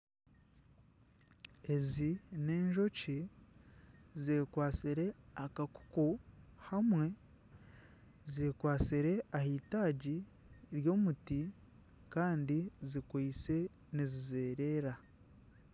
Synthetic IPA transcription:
e̞zine̞ːɲʒo̞ci | zeːkwaːsiɾe̞akaku̥kuhamwe̞ | zeːkwaːsiɾe̞ahiːtaːɟi | ɾjo̞ːmuti | kaːndizikwuit͡se̞ | nizizeːɾe̞ːɾa

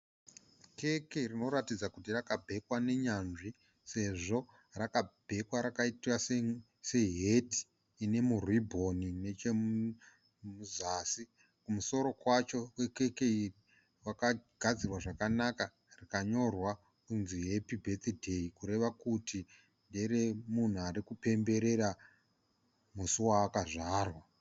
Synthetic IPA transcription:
ke̞keirino̞ɾatid͡zakut̬irakabʱe̞kwane̞ɲanʐi | se̞ʐo̞ | rakab̥ʱe̞kwaɾakaitwase | se̞ɦeti̥ː | ne̞muribʱo̞nine̞t͡ʃe | muzasi | kumuso̞ɾo̞kwat͡ʃo̞kwekekeiri | wakaɡ̥ʱad͡zirwaʐakanaka | rikaɲo̞rwa | kunziɦe̞pibʱe̞t̪idʱe̞ikuɾe̞ʋakuti | nde̞ɾemun̤uaɾikupe̞mbe̞ɾe̞ɾa | musuwaːkaʐaːrwa

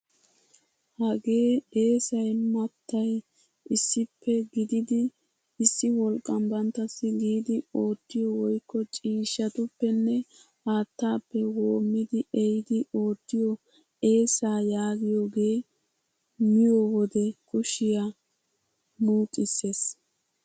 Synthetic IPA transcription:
hɐɡe̞ːe̞ːsɐjmɐt̪ːɐj | ʔɪsːɪpʰːɛɡɪd̪ɪd̪ɪ | ɪsːɪwɔlkʼːɐmbɐnt̪ːɐsːɪɡiːd̪ɪo̞ːt̪ːɪjɔwɔjkːɔt͡ʃʼiːʃːɐt̪ʊpːɛnːɛ | ʔaːt̪ːaːpːɛwo̞ːmːɪd̪ɪʔɛjɪd̪ɪo̞ːt̪ːɪjɔ | ʔe̞ːsaːjaːɡɪjoɡe̞ː | mɪjɔwɔd̪ɛkʊʃɪja | muːt̪ʼːɪse̞ːs

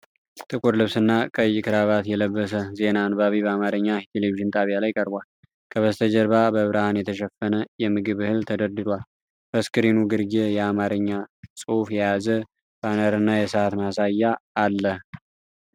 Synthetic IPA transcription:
t̪ʼɨkʼuɾlɨβsɨnːakʼəjːɪkʰɨɾaβat̪jɛləbːəs̬əze̞nanbaβiβəamaɾəɲːat̪ʰeleviʒɨnt̪ʼaβjalajkʼəɾbwal | kʰəβəst̪ʰəd͡ʒəɾβabəβɨɾahanjɛt̪ʰəʃɛfːənəjɛmɨɡɨβɨhɨlt̪ʰəd̪əɾd̪ɨɾwal | b̥əskɨɾinuɡɨɾɡejɛamaɾɨɲːasʼɨufjɛjazə | b̥anəɾɨnːajɛsəat̪masajːaːlːəh

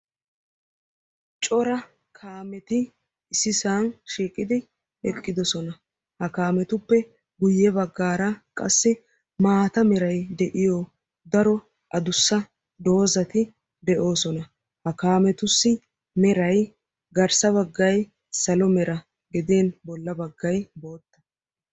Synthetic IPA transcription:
t͡ʃʼɔɾɐ | kʰaːmɛt̪ɪ | ɪsɪsaːnʃiːkʼːɪd̪ɪ | ɛkʼːɪd̪ɔsɔnɐ | hɐkaːmɛt̪ʊpːɛ | ɡʊjːɛbɐɡːaːɾɐkʼɐsːɪ | maːt̪ɐmɛɾɐjd̪ɛʔɪjɔ | d̪ɐɾɔ | ʔɐd̪ʊsːɐ | d̪o̞ːzɐt̪ɪ | d̪ɛʔo̞ːsɔnɐ | hɐkaːmɛt̪ʊsːɪ | mɛɾɐj | ɡɐɾsɐβɐɡːɐj | sɐlɔmɛɾɐ | ɡɛd̪eːnbɔlːɐbɐɡːɐjbo̞ːt̪ːɐ̥

